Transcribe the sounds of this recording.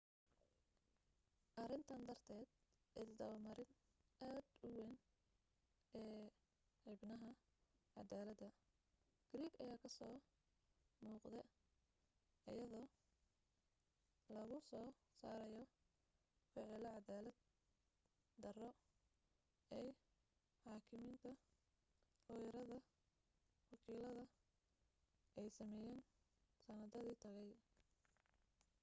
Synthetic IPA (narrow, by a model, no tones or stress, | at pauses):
ʔɐrɪnt̪ʰɐnd̪ɐrt̪ʰɛːd̪̥ | ʔɪsd̪ɐβmɐɾɪn | ʔaːd̪ʊwɛn | ɛː | ħɪbnɐɦɐ | ʕɑ̰d̪aːlɐd̪ɐ | ɡ̥ɾiːɡɐjaːkʰɐsɔː | muːqd̪ɛ | ɐjɐðɔː | lɐɣʊsɔː | saːɾɐjɔ | fɪʕɪlɐʕɑd̪aːlɐd̪̚ | d̪ɐrɔ | ɛj | ħɑːkʰɪmiːnt̪ʰɐ | hɔːjɐɾɐðɐ | wɑkʰiːlɐðɐ | ɛjsɐmɛːjɛːn | sɐnɐðɐðiːt̪ʰɐɣɛj